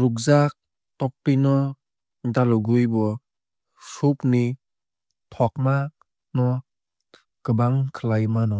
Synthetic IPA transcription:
ɾukzak̚ | tɔk̚pinɔ | dalɔɡujbɔ | supni | tʰɔk̚ma | nɔ | ɡ̥ɯbaŋkʰɯlajmanɔ

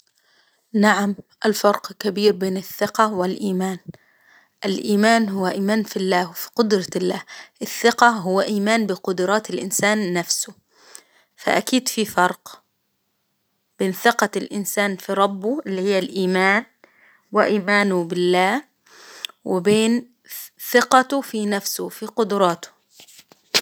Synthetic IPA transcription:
naʕamʔalfɑɾˤqkabiːɾbeːnɪθːɪqɑwɪlʔiːmaːn | ʔɪlʔiːmaːnɦʊwːaʔiːmaːnfilːaːwɪfi̥qʊd̪ɾˤɑlːaːhʔɪθːɪqɑɦʊwːaʔiːmaːnbɪqʊd̪ɾˤɑːt̪ɪlʔɪnsaːnːafsʊ | fa̰ʔakiːd̪fifɑɾˤq | b̥eːnθɪqɑlʔɪ̰nsaːnfiɾˤɑbːʊʔɪlːihɪjːalʔiːmaːn | wɪʔiːmaːnʊbɪlːaːh | wɪbeːn | θɪqɑt̪ʊfinafsʊfiqʊd̪ɾˤɑːt̪ʊ̥

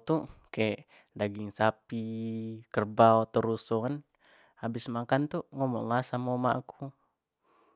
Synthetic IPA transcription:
t̪ukaɛʔ | daɡiŋsapikərbaot̪əɾusɔkan | abɪsmakant̪uŋɔmɔŋlasamɔmaʔːku

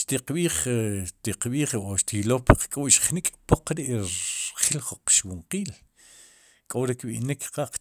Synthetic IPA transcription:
ʃt̪iqɓiːχt̪iqɓiːχoʃt̪iloːpqkʼuʔʃχnikʼpoqɾiʔχilχuq͡χʃwuɴqiːl | kʼoɾekɓḭʔnikʰqaʔq͡χ

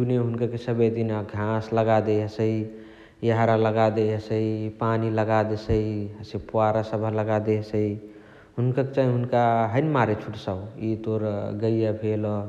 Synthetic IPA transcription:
d͡ʒuneɦunkəkesəbəjd̪inaɡʱãsləɡad̪eɦəsəi | jəɦaɾaləɡad̪eɦəsəipaniləɡad̪esəiɦəsepuaɾasəbʱəɦləɡad̪esəi | ɦunkəket͡ʃaɦĩɦunkaɦənmaɾet͡ʃʰuʈsəit̪oɾɡəjjəbʱelɔ

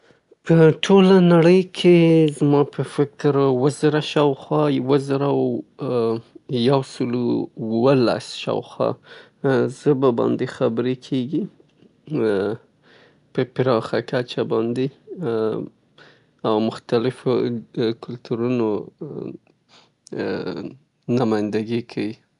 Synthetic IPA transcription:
pəʈʰolanaɽəjkʰezmɑpəfɪk̚t̪ɾwəzaɾaʃawxwɑwəzaɾaw | jawsəlowəla̰sʃa̰wxwɑ̰ | zəbabɑ̰nd̪exabəɾekʰeɡi | pəpɪɾɑxakat͡ʃabɑnd̪e | awmʊxt̪alɪfokʊlt̪uɾuno | namɑjnd̪aɡikʰawi

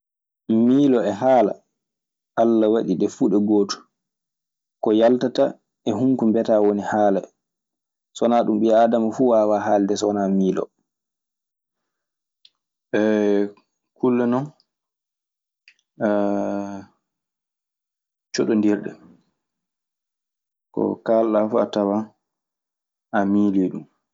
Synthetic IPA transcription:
miːlɔɛɦaːla̰ | ʔalːawaɗiɗɛfuɗɛɡoːtu̥ | kɔjaltata | ɛɦuŋkumbɛtaːwonihaːla̰ | sɔnaːɗumɓɛaːdamafuːwawaːɦaːldɛsɔnamiːlɔ̰ | ɛ | kulːɛnɔn | t͡ʃɔɗɔndiɾɗɛ̰ | kɔ̰kalɗafuatawa | amiːlijɗum

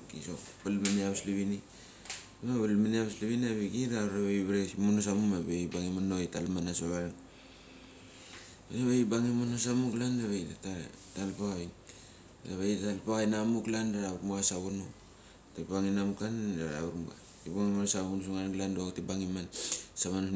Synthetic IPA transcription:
kisopalmaniaβsliβini | amaβalmaniaβsliβinaβiɡiɾaaɾaβeiβɾesimonosamumaβebaŋimanoitalmanasoβaɾaŋ | ɾaβeibaŋimonosamuklandaβajtatatalpaɣaj | aβajttalpaajnamuklandaɾaβuɾmuɡasaβuno | tapaŋinamukandaɾa̰uɾma | tibaŋimansaβunsuŋanɡlandotibaŋimansaman

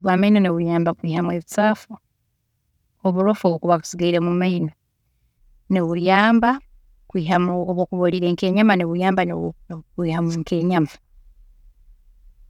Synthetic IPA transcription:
βwaːmainoneβujaːmbakwiːhamweβit͡saːfu | oβuɾofoβukuβaku̥siɡaiɾemumaino | neβuɾjaːmba | kwiːɦamuoβokuβoɾiɾeːŋke̞ːɲamaneβujaːmbankwiːhamuŋke̞ɲama

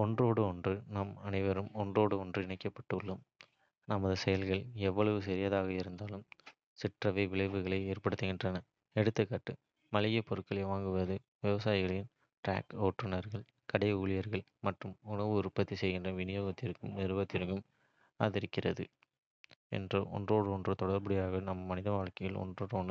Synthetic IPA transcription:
ɔndroːɽɯɔndrɯnɐmɐnɐɪʋɐɾɯmɔndroːɽɯɔndrɯɪɳɐɪkːɐpːɐ̥ʈːɯɭːɯm | nɐmɐðɯsɛjɐlɣɐɭɛʋːɐɭɐʋɯsɛɾɪjɐðaːɣɐɪɾɯnd̪aːlɯm | sɪʈrɐʋɐɪʋɪɭɐɪʋɯɣɐɭɐɪeːrpɐɽɯt̪ːɯɣɪndrɐnɐ | ɛɽɯt̪ːɯkːaːʈːɯ | mɐlɪjɐpɔɾɯkːɐɭɐɪʋaːŋɡɯʋɐðɯ | ʋɛʋɐsaːjɪɣɐɭɐɪn | ʈɾa̰ːkoːʈrɯnɐɾɣɐɭ | kɐɽɐɪuːɭɪjɐɾɣɐɭmɐʈrɯmʊnɐʋɯɾɯpːɐt̪ːisɛjɣɪndrɐʋɪnɪjoːɣɐt̪ːɪɾɯkːɯmnɛɾɯʋɐt̪ːɪɾɯkːɯm | a̰ːðɪɾɪkːɪrɐðɯ | ɛ̰ndrɐʔɔ̰ndroːɽɯɔndrɯt̪ɔɽɐɾpɐɽɪjaːɣɐnɐmːɐmɐnɪðɐʋaːɭkɐjɪlɔ̰ndroːɽɯɔn

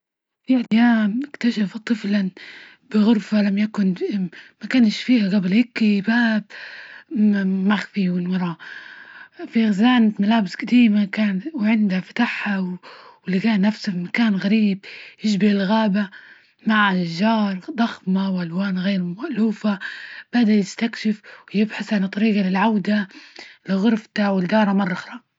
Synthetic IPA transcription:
fiʔadjaːmɪkt̪aʃaft̪ˤːɨfla | bɪɣʊɾfalamjakʊnmakanʃfiːhaɣablhɪkːibaːb̚ | maxfiwɪnwɑɾˤɑ | fiɣzaːnat̪malaːbɪsɡ̥ad̪iːmakaːnwʕɪnd̪hafḁt̪aħhawɪlːikaːnːafsafimakaːnɣaɾiːb̚jɪʒbɪɪlɣaːba | maʕaʒːɑːɾˤd̪ˤɑxmawʔalwaːnɣeːɾmaʔluːfab̥ad̪ajɪst̪akʃɪfwjɪbħaθʕant̪ˤːɑɾiːɡɑlɪlʕawd̪alɪɣʊɾft̪awɪld̪ɑːɾˤɑmɑrˤːɑxɾˤɑ

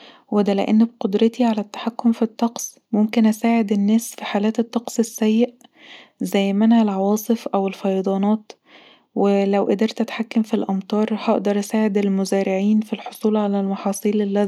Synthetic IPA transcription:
wed̪ælḛʔḛnːbqod̪ɾɑt̪iʕalæt̪ːḁħakːomfit̪ˤːɑqsˤ | momkenʔæsaːʕed̪enːæːsfiħaːlæːt̪et̪ˤːɑqsˤesːæjːeʔ | zæjːmænælʕɑwɑːsˤɨfʔæwelfɑjɑd̪ˤɑːnɑːt̪ | welæwʔæd̪eɾt̪ʔæt̪ħakːæmfilʔɑmt̪ˤɑːɾˤhɑʔd̪ɑɾˤʔæsaːʕed̪elmozæːɾɪʕiːnfilħosˤuːlʕalælmɑħɑːsˤiːlʔelːæ

